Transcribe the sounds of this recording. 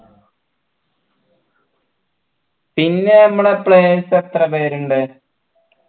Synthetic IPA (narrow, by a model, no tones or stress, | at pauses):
pinːe̞ɐmːuɽepɭeːset̪rɐpeːɾuɳɖɨ